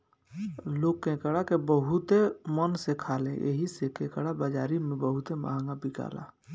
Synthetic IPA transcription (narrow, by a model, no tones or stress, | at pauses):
loːkkẽkəɽakebəɦut̪emənsekʰaːlẽʔḛɦisekẽːkəɽabaːd͡ʒaːɾimẽbəɦut̪ema̰ɦə̃ŋɡabika̰ːla̰